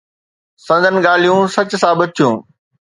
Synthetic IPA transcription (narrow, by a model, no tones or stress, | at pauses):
sɐ̃nd̪ʱənɪ̆ɠaːl̤ijũsɐt͡ɕ̆sãːbɐt̪ʰijũː